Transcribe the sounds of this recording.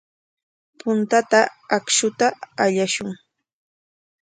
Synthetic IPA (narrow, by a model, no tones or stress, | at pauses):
pʊnt̪at̪aakʃʊt̪aːʎaʃʊŋ